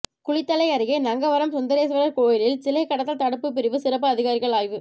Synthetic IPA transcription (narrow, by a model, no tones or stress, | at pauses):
kʊɭɪt̪ːɐɭɐɪɐɾɯɣeːnɐŋɡɐʋɐɾɐmsʊnd̪ɐɾeːsʋɐɾɐɾkoːjɪlɪlsɪlɐɪkːɐɽɐt̪ːɐlt̪ɐɽɯpːɯp̬ːɪɾɪʋɯsɪɾɐp̬ːɯɐðɪɣaːɾɪɣɐɭaːjʋɯ